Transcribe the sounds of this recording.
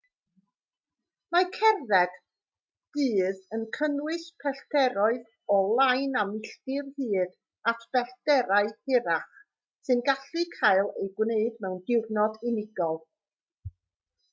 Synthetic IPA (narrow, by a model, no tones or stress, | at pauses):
makʰɛrvɛɡ̥ | d̥ɨːðənkʰənwɨspʰɛɬtɛɾɔɨð | ɔlˠajnamɪɬtɨrhɨːd | atʰb̥ɛɬd̥ɛɾaɨhɪɾaχ | sɨnɡaɬɨkʰaɨlˠejɡwneɨdmɛwndɪwvnɔdɪnɪɡɔlˠ